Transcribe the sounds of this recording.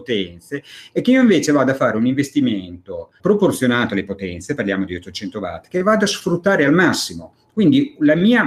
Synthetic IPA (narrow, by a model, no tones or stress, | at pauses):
ot̪ɛnt̪seɛkːeiːoĩɱveːt͡ʃevaːd̪afːaːɾeuniɱvest̪iment̪opɾoport̪sjonaːt̪oalepot̪ɛnt̪separljaːmod̪iot̪ːot͡ʃɛnt̪ova̰t̪ːkevad̪asfɾut̪ːaːɾealmasːimo | kwind̪ilamiːa